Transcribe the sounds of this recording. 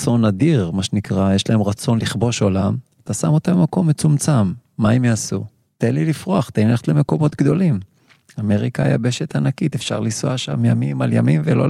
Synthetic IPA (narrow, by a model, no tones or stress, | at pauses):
t͡so̞nad̪iʁmaʃenikʁajeʃlae̞mʁat͡so̞nliχbo̞ʃo̞lamat̪asamo̞t̪amemako̞mːet͡sumt͡samːaemjaːsu | t̪enlilifʁoaχt̪eineχtleme̞ko̞mo̞t̪ɡd̪o̞lim | ameʁikaja̰be̞ʃe̞t̪anakit̪efʃa̰ʁlisuaʃa̰mjamimalja̰mimvelo̰